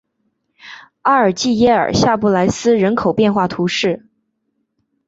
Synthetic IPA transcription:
a˥ə˞˨˩t͡ɕi˥˩jɛ˥ə̰˞˨˩ɕja˥˧pu˥˩la˧˥ɪsɹ̩˥ɻə˧˥nkʰo˨˩ʊpjɛ˥˧nxwa˥˩t̪ʰu˧˥ʂɻ̩˥˩

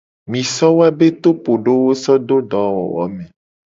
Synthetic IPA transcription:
mĩ˨sɔ˦wo˦a˦be˦t̪o˦po˨ɖo˦wo˦sɔ˦d̪o˦ɖɔ˨˦wɔ̰˨wɔ̰˨˦mẽ˨

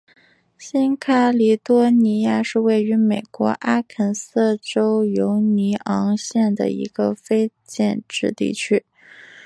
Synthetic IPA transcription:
ɕi˥nkʰa˥li˧˥t̪wɔ˥ni˧˥ja˥˧ʂɻ̩˥˧we˥˩ɪy˧˥me˨˩ɪkwɔ̰˧˥ʔa˥kʰə˧˥˩nsɤ˥˩ʈ͡ʂo˥ʊjo˧˥ʊni˧˥ʔɑ˧˥ŋɕjɛ˥˩nd̪ə̰˩ḭ˧˥ɡ̥ə˧fe˥ɪ | t͡ɕjɛ˥˧nʈ͡ʂɻ̩˥˧t̪ḭ˥˩t͡ɕʰy˥

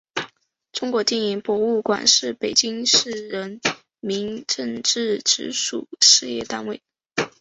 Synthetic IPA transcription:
ʈ͡ʂʊ˥ŋkwɔ˧˥t̪jɛ˥˩ni˧˥ŋpwɔ˧˥u˥˩kwa̰˨˩nʂɻ̩˥˩pe˨˩ɪt͡ɕi˥ŋʂɻ̩˥˩ɻə˧˥n | mi˧˥ŋʈ͡ʂə˥˧ŋʈ͡ʂɻ̩˥˩ʈ͡ʂɻ̩˧˥ʂṵ˨˩ʂɻ̩˥˧jɛ̰˥˧t̪a˥˧nwe˥˩ɪ

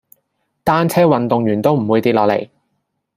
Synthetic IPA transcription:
t̪aː˥nt͡sʰɛː˥wɐ˨nt̪ʊ˨ŋjyː˨˩nt̪o˥wm̩˨˩wuː˨˧jt̪iː˧t̚lɔː˨˧klḛ˨˩j

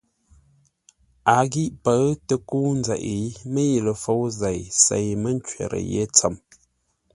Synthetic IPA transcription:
a˨ɡi˦ʔpə˨˦tə˨ku˦n̩˦zɛ˨ʔi˨˦mə˦ji˨lə˨fo˦wze˨jse˨jmə˦n˦t͡ʃɥɛ̰˨ɾə̰˨jḛ˦t͡sə˨m

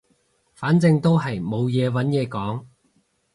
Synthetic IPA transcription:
faː˨˥nt͡sɪ˧ŋt̪o˥wɦɐ˨jmo˨˧wjɛː˨˧wɐ˨˥njɛː˧kɔː˨˥ŋ

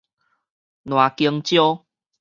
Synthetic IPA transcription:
nw̃a˨˩ki˧əŋt͡ɕjo˦

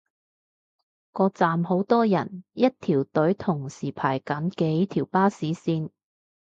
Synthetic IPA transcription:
kɔː˧t͡saː˨mho˨˧˥wt̪ɔː˥jɐ˨˩njɐ˥t̚t̪ʰiː˨˩wt̪ɵ˨˥ɥt̪ʰʊ˨˩ŋsiː˨˩pʰa̰ː˨˩jkɐ˨˥nkɛː˨˧˥t̪ʰiː˨˩wpaː˥siː˨˥siː˧n

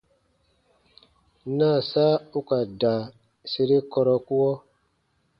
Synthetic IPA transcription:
na˦˨saː˦u˦ka˨da˨ | se˨ɾe˦kɔ˧ɾɔ˦ku˦ɔ˦

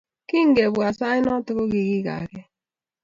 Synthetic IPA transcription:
ki˦ŋ̩˨ɡe˨bwa˨sa˦ɪ˦nɔ˦tʊ˦kʊ˦ɣɪ˨ɣi˦ɣa̰˨ɡe˦

